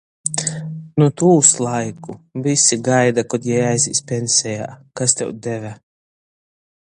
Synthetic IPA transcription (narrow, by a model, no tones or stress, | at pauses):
nut̪uːslˠajkuvisiɡajd̪akɔd̪jɛjajziːsʲpʲensʲɛja̰ːkast̪ɛ̰wd̪evæ